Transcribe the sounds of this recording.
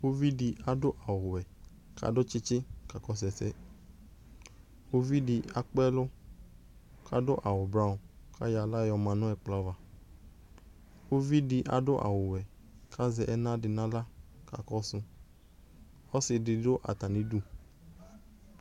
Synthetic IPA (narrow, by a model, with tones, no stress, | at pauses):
o˦vi˦di˧a˨dʊ˦ʔa˨wʊ˨wɛ˨ | ka̰˨dʊ˦t͡ʃɪ˦t͡ʃɪ˦ka˨kɔ˦s̬ɛ˨sɛ˦ | o˦vi˦dɪ˧a˨k͡pɛ˦lʊ˦ | kʰa˦dʊ˦ʔa˨wʊ˨bɾa˦ʊ˨kʰa˦ja˨la˦jɔ˧mã˨nʊ̃˦ɛ˨k͡pla˦va˨ | o˦vi˦di˧ʔa̰˨dʊ˦ʔa̰˨wʊ˨wɛ˨ | kʰa˦zɛ˨ʔɛ˦nã˦dɪ˨nã˦la˦ka̰˨kɔ˦sʊ̃˧ | ɔ˦sɪ˨dɪ˧dʊ˦ʔa̰˨t̪a˨nĩ˦du˦